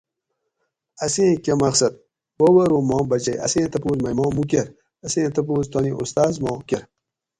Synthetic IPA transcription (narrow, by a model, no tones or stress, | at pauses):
ɐsẽːkʲemɐxsɐt̪̚ | wowɐɾoːmɔːmbɐt͡ʃɐjʔɐ̰sẽːt̪ʰɐpoːzmɐjmɔːmukeɾ | ɐsẽːt̪ɐp̬oːzt̪ɔːniʔost̪aːzmɔ̃ːkʲeɾ